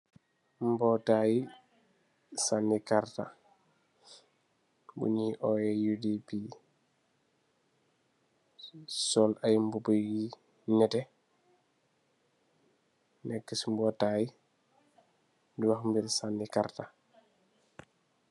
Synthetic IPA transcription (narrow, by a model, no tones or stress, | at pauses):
mbɔtaji | sanːikaɾta̰ | bṵɲiːʔɔjɛjudipi | sɔlajmbubujɡi | nɛtɛ | nɛkːɛsmbɔːtaːji | diwaxmbiɾsandikaɾta